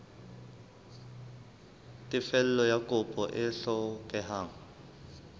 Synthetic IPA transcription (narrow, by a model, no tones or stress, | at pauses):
tʼifɛlɛlɔjakʼɔpʼɔʔɛɬɔkʼɛɦaːŋ̩